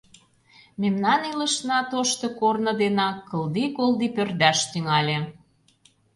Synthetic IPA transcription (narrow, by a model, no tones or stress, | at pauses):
memnɑnilə̆ʃnɑt̪oʃt̪ŏkornɤ̆d̪enɑkːɤ̆ld̪ikolˠd̪ipørd̪æʃt̪yŋɑlʲe